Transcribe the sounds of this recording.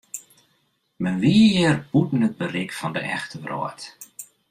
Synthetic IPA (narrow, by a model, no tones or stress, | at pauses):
mɛnʋiəjɪrbutn̩əd̚bərɪkfɔndə̰ʔɛ̰xtəʋro̰ət